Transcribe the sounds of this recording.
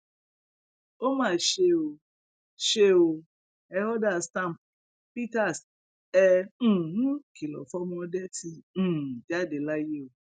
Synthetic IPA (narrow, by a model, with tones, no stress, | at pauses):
o˦mãː˦˨ʃe˧o˨˧ | ʃe˧˦o˧ | ɛ˧˦hɔ˦da˦˨stã˦˨m˨ | pi˦ta˦˨s | ɛ̃˧˦˨nũ˦ki˨lɔ̰˨fɔ˦mɔ̃˦ɔ˧˦dɛ˦tʰĩ˧˦˨d͡ʒi˦a˦˨de˨la˦je˦o˨